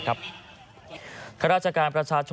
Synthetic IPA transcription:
kʰa˦p̚ | kʰa˥ɾaː˥t̚t͡ɕʰəkaː˧npɾɐt͡ɕʰaː˧t͡ɕʰo

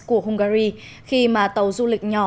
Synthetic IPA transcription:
ku˧˩əɦʊ˧ŋ͡mɣaː˧ɾi˧ | xi˧maː˨˩t̪ə˨˩wzu˧lï˨˩k̟̚ɲɔ˧˨˩

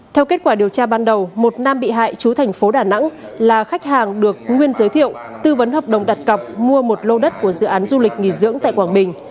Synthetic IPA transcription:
t̪ʰɛ˧wke˦˥t̚kwaː˧˩ɗi˨˩əwt͡ɕaː˧ɓaː˧nɗə˨˩wmo˨˩t̚naː˧mɓḭ˧˨ɦa̰ː˧˨jt͡ɕu˨˦t̪ʰɛ˨˩jŋ̟fo˨˦ɗaː˧˩na̰˧˥ŋlaː˨˩xa˦˥k̟̚haː˨˩ŋɗɨ˨˩ək̚ŋwi˧ənzəː˨˦jt̪ʰḭ˧˨əwt̪ɨ˧və˨˦nɦəː˨˩p̚ɗə̰˨˩wŋ͡mɗa˨˩t̚kə˨˩wp̚mu˧əmo˨˩t̚lo˧ɗə˦˥t̚ku˧˩əzɨ̰˧˨ʔaː˨˦nzu˧lï˨˩k̟̚ŋḭ˧˩zɨ̰˧˥əŋt̪a̰ː˧˨kwaː˧˩ŋɓï˨˩ŋ̟

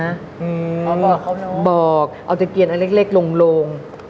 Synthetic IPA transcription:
ʔɯː˧˨ | bɔː˨˩k̚ʔaː˧˩wt͡ɕa˨˩ki˨˩ənʔa˧le˦˥k̚le˦˥˩k̚lo˧ŋloː˧ŋ

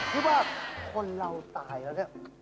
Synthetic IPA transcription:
kʰi˦˥waː˥˩kʰo˧nɾa˧wt̪aː˨˩jla˧˩ni˧˩

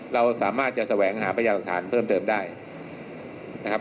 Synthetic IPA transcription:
ɾa˧wsaː˩˦maː˥˩t̪̚t͡ɕa˨ʔsa˧wɛː˩˦ŋɦaː˩˦pʰa˧jla˨˩k̚t̪ʰaː˩˦npʰɤː˥˩mt̪ɤː˧mdaː˥˩j | na˦˥kʰa˦˥p̚

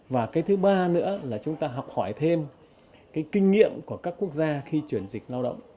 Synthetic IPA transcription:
vaː˨˩kaː˨˦jt̪ʰɨ˨˦ɓaː˧nɨ̰˧˥əlaː˨˩t͡ɕʊ˨˦ŋ͡mt̪aː˧ɦɔ˨˩wk͡p̚hɔ˧˩jt̪ʰe˧m | kaː˨˦jkï˧ŋ̟ŋḭ˧˨əmku˧˩əkaː˦˥kːu˦˥ək̚zaː˧xi˧t͡ɕwi˧˩ənzi˨˩k̟̚laː˧wɗə̰˧˨wŋ͡m

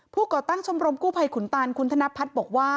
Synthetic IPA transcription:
pʰuː˥˩kɔː˨˩t̪a˥˩ŋt͡ɕʰo˧mɾo˧mkuː˥˩pʰa˧jkʰu˨˩˦nt̪aː˧nkʰu˧˦nt̪ʰa˧na˦˥pʰːa˦˥t̪̚bɔː˨˩k̚waː˥˩

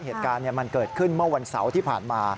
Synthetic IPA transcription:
heː˨˩t̪̚kaː˧nːi˥˩ɐma˧nkɤː˨˩t̪̚kʰɯ˥˩nmɯ˥˩ɐwa˧nsa̰˩˦wt̪ʰiː˥˩pʰa̰ː˨˩nmaː˧

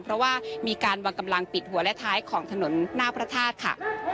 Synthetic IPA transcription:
pʰɾɔ˦˥waː˥˩miː˧kaː˧nwa˧ŋka˧mla˧ŋpi˨˩t̪̚hu˩˦ɐlɛ˦˥t̪ʰaː˦˥jkʰɔː˩˦ŋt̪ʰa˧no˩˦nːaː˥˩pʰɾa˦˧˥t̪ʰaː˥˩t̪̚kʰa̰˥˩

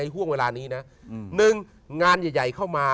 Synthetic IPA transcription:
a˧jɦu˥˩əŋweː˧laː˧niː˦˥na˦˥ | nɯ˧ŋ | ŋaː˧njaː˨˩ja˨˩jkʰa˥˩wmaː˧

